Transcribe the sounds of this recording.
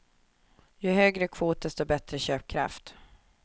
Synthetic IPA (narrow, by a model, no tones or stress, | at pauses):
jɵɦøːɡɾəkʰvuːt̪̚d̪ɛst̪oːbɛt̪ɾəɕøːp̚kʰɾa̰ft̪